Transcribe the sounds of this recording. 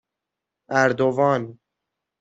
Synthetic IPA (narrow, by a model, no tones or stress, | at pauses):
æɾd̪ovɑːn